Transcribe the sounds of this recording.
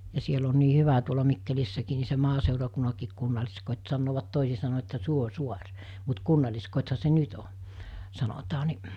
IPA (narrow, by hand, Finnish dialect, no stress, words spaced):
jɑ siel on niː hyʋæ tuolɑ mikːelisːækiː ni se mɑːseˑurɑkunːɑkiːk kunːɑlʲiskotʲ sɑnːoːʋɑt toˑisi sɑno etːæ suosuɑr mut kunːɑlʲliskotʲhɑ se nyt o sɑnotɑː ni